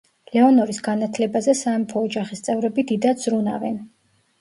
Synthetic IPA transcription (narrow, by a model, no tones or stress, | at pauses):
lɛɔnɔɾisɡanat̪ʰlɛbazɛsaːmpʰɔːd͡ʒaχist̪sʼɛvɾɛbid̪id̪az̥ɾuna̰vɛn